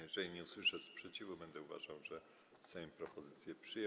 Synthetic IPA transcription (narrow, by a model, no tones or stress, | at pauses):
jɛʐɛlʲiɲɛuswɘʂɛspʂɛt͡ɕivubɛnd̪ɛuva̰ʐawʐɛ | sɛjɔ̃mpɾɔpɔzɘt̪sʲjɛpʂɘjɛ